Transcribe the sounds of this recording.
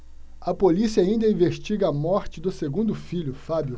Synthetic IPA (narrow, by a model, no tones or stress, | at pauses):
ɐpolisiɐaĩnd̪ɐĩveʃt͡ʃiɡɐɐmɔɾt͡ʃɪd̪ʊseɡũnd̪ʊfiʎʊfabjʊ